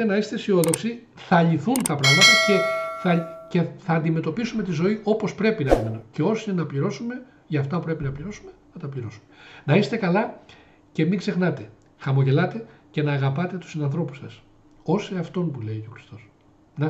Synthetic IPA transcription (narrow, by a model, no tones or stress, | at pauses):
enɐist̪esio̞ðo̞ksi | θɐʎiθunt̪ɐpɾɐɣmɐt̪ɐsce̞θɐce̞θɐːnd̪ime̞t̪o̞pisume̞t̪izo̞iʔo̞po̞spɾe̞pinɐimenoceo̞sinɐpʎiɾo̞sume̞ | ʝɐːft̪ɐupɾe̞pinɐpʎiɾo̞sume̞nɐt̪ɐpʎiɾo̞sumenɐist̪e̞kɐlɐ | ce̞miɡze̞xnɐt̪e̞ | xɐmo̞ʝe̞lɐt̪e̞ce̞nɐːɣɐpɐt̪e̞t̪u̥sinɐnθɾo̞pu̥sɐs | o̞seɐft̪o̞npule̞io̞xɾist̪o̞s | nɐ